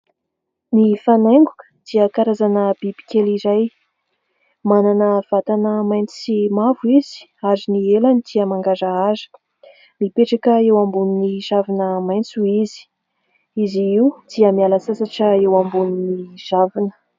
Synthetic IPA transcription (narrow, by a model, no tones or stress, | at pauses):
nifanajŋɡukə̥d̪̥iəkaɾazanəb̥ibi̥kʲelizaj | mananəv̥at̪anəmajnt͡simavuizi̥ | azinielanid̪̥iəmaŋɡazəazə̥ | mipeʈ͡ʂakəewambuniniʒavinəmajnt͡suizi̥ | iziiwd̪̥iəmialəsasaʈ͡ʂəewambuniniʒ̥avinə̥